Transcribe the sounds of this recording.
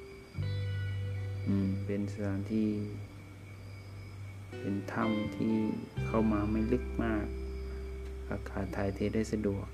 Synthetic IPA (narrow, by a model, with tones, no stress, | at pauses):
ʔɯː˧˩mpe˨nsɯ˨˧˨ŋt̪ʰiː˧˩ | pe˨nt̪ʰa˥˨mt̪ʰiː˧˩kʰa˧˥˩wmaː˧ma˧˥˩jlɯ˧˥˩k̚maː˥˩k̚ | ka̰˧˩kʰaː˨˩t̪ʰːaː˨˦jt̪ʰeː˧da˥˩jsa˧du˨˩ək̚